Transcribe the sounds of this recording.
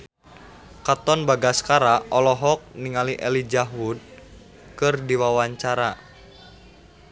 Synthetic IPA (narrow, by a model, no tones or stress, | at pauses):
kat̪ɔnbaɡaskaɾaʔɔlɔɦɔk̚niŋaliʔɛlid͡ʒaɦud̚ | kɨrdiwawaɲt͡ʃaɾa